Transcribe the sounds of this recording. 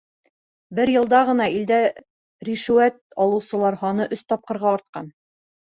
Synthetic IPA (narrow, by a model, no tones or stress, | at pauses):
bɘɾjɤ̆lˠd̪ɑʁɤ̆nɑild̪æ | ɾiʃɘ̆wæt̪̚ɒlˠɤ̆wsɤ̆lˠɑɾhɑnɤʔɵst̪ɒp̚qɤ̆ɾʁɑːɾt̪̚qɑ̰n